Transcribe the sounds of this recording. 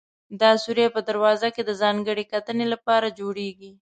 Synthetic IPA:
d̪ɑsuɾjapəd̪aɾwɑzaked̪əzɑŋɡəɽekat̪ənelapɑɾad͡ʒoɽeɡi

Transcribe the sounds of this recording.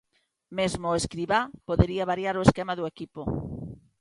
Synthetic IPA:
mezmʊeskɾiβapoðeɾiɐβaɾjaɾoeskemaðʊekipo

